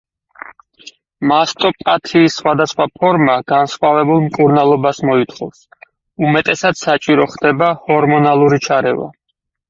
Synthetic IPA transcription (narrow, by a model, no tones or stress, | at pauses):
mast̪ʼɔpʼat̪ʰiːsːχwad̪asχwapʰɔɾmaɡ̥ansχwavɛbulˠmkʼuɾnalˠɔbasmɔit̪ʰχɔfs | umɛt̪ʼɛsat̪sat͡ʃʼiɾɔχd̪ɛbahɔɾmɔnalˠuɾit͡ʃʰaɾɛva̰